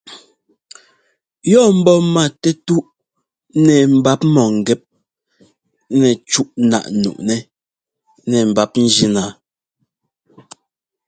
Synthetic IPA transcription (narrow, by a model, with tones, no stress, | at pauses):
jɔ˦˨m̩˦bɔ˦ma˨tɛ˦tu˦ʔ | nɛ˨m̩˨ba˦p̚mɔ˨ŋ̩˨ɡɛ˦p̚ | nɛ˨t͡ʃu˦ʔna̰˨ʔnṵ˨ʔnɛ˦ | nɛ˨m̩˨ba˨p̚n̩˦d͡ʒi˦na˨